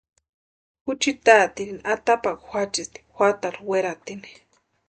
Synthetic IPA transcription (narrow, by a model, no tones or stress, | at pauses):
kut͡ʃit̪at̪iɾiniʔat̪apakxʷat͡ʃist̪i̥xʷat̪aɾweɾat̪ini̥